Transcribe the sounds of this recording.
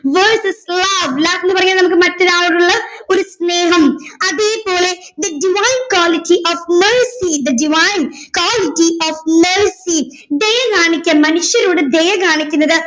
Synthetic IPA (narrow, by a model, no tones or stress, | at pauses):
ʋɐrsɐslɐʋlaːkenːupɐrɐɲːaːlnɐmukːɨmɐtːɐðaːɭuɽuɭːɐo̞ɾusneːɦɐmɐðeːpo̞ːle̞d̪ɐɖiʋaːjnkwaːlitːiʔoːfmɐrsid̪ɐɖiʋaːjnkwaːlitːioːfmersi | d̪ejɐkaːɳikʲːɐnmɐnuʂjɐɾoːɽɨd̪ejɐkaːɳikʲːunːɐðɨ